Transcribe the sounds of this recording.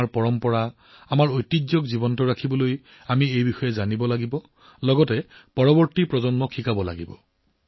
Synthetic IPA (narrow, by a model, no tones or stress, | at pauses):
ɹpɔɹɔmpɔɹa | amaɹojtːizɔkzibɔntɔɹakʰibɔloj | amiejbixɔjɛzanibɔlaɡibɔ | lɔɡɔtɛpɔɹɔbɔɹtipɹɔzɔnmɔkʰikabɔla̰ɡibɔ